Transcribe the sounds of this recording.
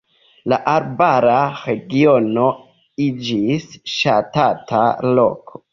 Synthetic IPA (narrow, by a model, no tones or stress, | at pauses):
laʔaɾbaɾaɾe̞ɡiono̞ | id͡ʒisʃatatʰa̰lo̞̰kʰo̥